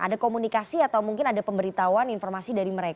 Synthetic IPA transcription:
ʔa̰dakomunikasiat̪awmuŋkɪnadapəmbəɾit̪awaninfɔrmasidaɾiməɾeka

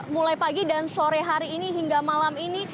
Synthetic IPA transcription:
mulajpaɡidansoɾɛɦaɾiːniɦiŋɡamalamini

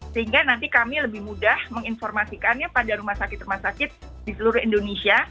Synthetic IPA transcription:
səhiŋɡanant̪ikamiləbɪhmudahməŋinfɔrmasikanjapadaɾumahsakɪt̪rumahsakɪt̪̚ | disəluɾʊhindonesia

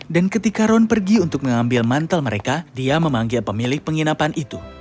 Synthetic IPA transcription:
dankət̪ikaɾɔnpərɡiunt̪ʊk̚məŋambɪlmant̪əlməɾekadiaməmaŋɡɪlpəmilɪk̚pəŋinapanʔit̪u

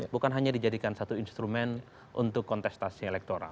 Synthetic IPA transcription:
bukanɦaɲadid͡ʒadikansat̪uinst̪ɾumɛn | ʔṵnt̪ʊkːɔnt̪ɛst̪asielɛk̚t̪oɾa̰l

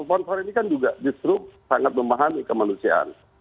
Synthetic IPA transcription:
pɔnsɔɾinikand͡ʒuɡadist̪ɾʊp̚saŋat̪̚məmaɦamikəmanusia̰ʔa̰n

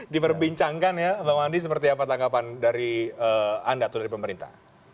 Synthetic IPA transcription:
dipərbiɲt͡ʃaŋkanjabaandis̬əpərt̪̬iapat̪aŋɡapandaɾiəandaːt̪awdaɾipəməɾint̪a̰h

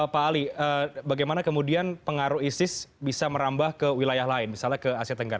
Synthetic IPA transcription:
paːliəbaɡajmanakəmudianpəŋaɾuɦisɪsbisaməɾambahkəwilajaɦlaɪnmisalɲakəasiat̪əŋɡaɾ

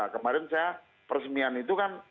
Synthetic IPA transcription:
akəmaɾɛnsaa | pərsəmianit̪ukan

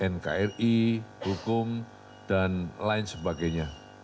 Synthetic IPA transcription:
ʔɛnka̰ɛrihukʊm | d̥anlaɪnsəbaɡajɲa

